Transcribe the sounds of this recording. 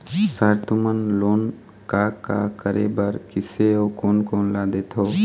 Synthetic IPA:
saɾt̪ʰumənloːn | kaka̰kəɾḛbəɾkɪseɦokoːnkoːnlad̪et̪ʰo

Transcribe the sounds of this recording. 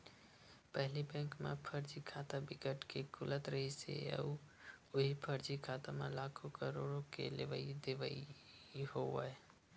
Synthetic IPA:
pəɦlibɛ̃ŋkmḛpʰəɾd͡ʒikʰat̪abikəʈkekulət̪ɾəɦisḛə̰u | oɦipʰəɾd͡ʒikʰat̪amḛlakʰokəɾoɽokḛleʋəid̪eʋəi | hoə

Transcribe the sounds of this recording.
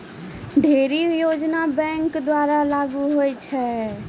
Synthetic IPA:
ɖʱeɾijod͡ʒnabɛ̃ŋkd̪waɾalaɡuɦojt͡ʃʰɛ

